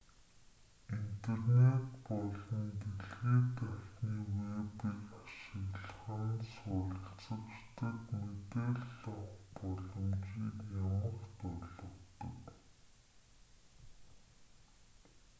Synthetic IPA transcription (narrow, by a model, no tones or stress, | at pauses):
int̪ʰernet̪pɔɮɞ̆nt̪eɮɣeːt̪awtniːwepikaʃɪ̆ɣɮχənsʊːɾə̆ɬt͡sə̆kt͡ɕt̪ə̆t̪met̪eːɮːɔχpɔɮɞ̆mt͡ɕiːkjamə̆kt̪ɔɮɞ̆kt̪ɞ̰̆k